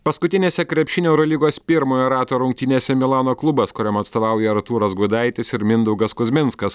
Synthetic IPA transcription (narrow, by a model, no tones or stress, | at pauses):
pɐskʊt̪ʲɪnʲeːsʲɛkɾʲɛpʲʃʲɪnʲɛʊɾɐlʲiːɡoːspʲɪɾmoːjoːɾɑːt̪oːɾʊŋk̚t̪ʲinʲeːsʲɛmʲɪlˠɑːnoːklˠʊbɐskʊɾʲɛmɐt̪st̪oːʋɑˑʊjɛɐɾt̪uːɾɐsɡʊɪd̪ɐɪt̪ʲɪsɪɾmʲɪnd̪ɐʊɡɐskʊzʲmʲɪnskɐs